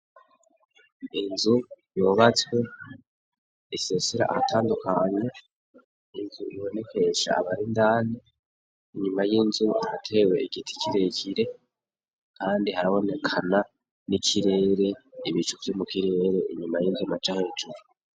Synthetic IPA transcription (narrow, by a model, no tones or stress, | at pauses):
inzujoβat͡swe̞ | isesiɾa̰ʔa̰hatʰaːndukʰaɲe | inzuiβo̞ne̞ke̞ʃa̰ːβaɾindaːni | iɲumajinzua̰hatʰe̞we̞iɡitʰi̥cʰiɾe̞ciɾe̞ | kʰaːndihaɾaβo̞ne̞kʰana | nicʰiɾe̞ːɾe̞iβit͡ʃuvjomukiɾe̞ːɾe̞ʔiɲumajinzumat͡ʃahed͡ʒuɾu